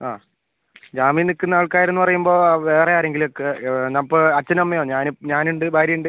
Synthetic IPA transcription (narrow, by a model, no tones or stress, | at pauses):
a̰ː | d͡ʑaːmijnikːɨnːaːɭkaːjiɾunːupɐrɐjumbo̞ːʋe̞ːrejaːɾe̞ŋɡilokːenɐpːoɐt͡ɕːɐnɐmːɐjoːɲaːnɲaːnuɳɖɨbʱaːɾjɐjuɳɖɨ